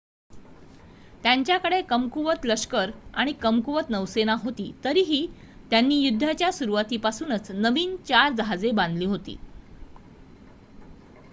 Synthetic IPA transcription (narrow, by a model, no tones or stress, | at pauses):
t̪jaɲt͡ɕjakəɽekəmkuʋət̪ləʂkəɾaɽ̃ikəmkuʋət̪nəʋsenaɦot̪iːt̪əɾiːɦiː | t̪janːiːjud̪ʱːat͡ɕjasuɾuʋat̪iːpasuːnət͡snəʋiːnt͡ɕaɾd͡zɦad͡zebãnd̪liːɦot̪ḭː